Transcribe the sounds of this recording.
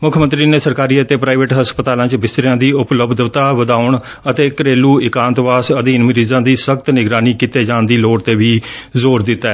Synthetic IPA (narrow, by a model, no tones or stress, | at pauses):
mʊkʰmə̃nt̪ɾiːneːsəɾkaːɾiːət̪eːpɾaːɪʋeʈɦəspət̪aːlãːt͡ʃbɪst̪ɾɪjãːd̪iːʊpləbd̪bt̪aːʋəd̪aːʊɳ | ət̪eːkəɾeːluːɪkãːnt̪ʋaːsəd̪iːnməɾiːzãːd̪iːsəkt̪nɪɡɾaːniːkiːt̪eːd͡ʒaːnd̪iːloːɽt̪eːʋiːzoːɾd̪ɪt̪ːaɛː